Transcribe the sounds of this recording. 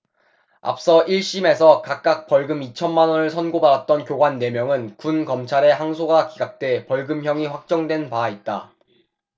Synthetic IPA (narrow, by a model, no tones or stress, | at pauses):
a̰p̚s͈ʌʔiɭɕ͈ime̞sʰʌkak̚k͈ak̚p͈ʌɭɡɯmit͡ɕʰʌnmanʌnɯɭsʰʌnɡobaɾat̚t͈ʌnkjoɡwanːe̞mjʌŋɯnkunkʌmt͡ɕʰaɾe̞ɦaŋsʰoɡakiɡak̚t͈we̞pʌɭɡɯmçjʌŋiɸwak̚t͡ɕ͈ʌŋdwe̞npait̚t͈a̰